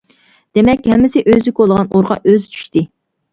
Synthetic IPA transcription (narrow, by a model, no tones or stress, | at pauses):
d̪̥emɛkʲhɛmːɪsɪʔøzɪkʲolˠəʁɑnoɾʁɑ̰ʔøzt͡ʃʰy̥ʃt̪ɪ